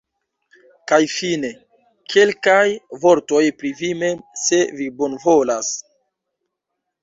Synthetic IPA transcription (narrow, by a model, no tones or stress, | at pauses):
kajfine̞ | kʰe̞lkajvo̞ɾto̞jpɾivime̞mse̞vibo̞nvo̞las